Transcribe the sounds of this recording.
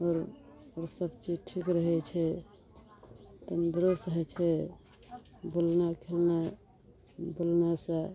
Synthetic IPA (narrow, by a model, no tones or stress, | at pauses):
ɔɾoɾsəbt͡ʃid͡ʒʈʰikɾəɦɛt͡ʃʰɛ | t̪ənd̪ɾosəɦɛt͡ʃʰɛ | bolnakʰelna | bolnasə̃